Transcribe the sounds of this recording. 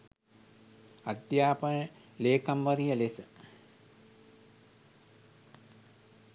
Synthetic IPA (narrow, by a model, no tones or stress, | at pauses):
ad̪jaːpənə | leːkamʋəɾijəlesə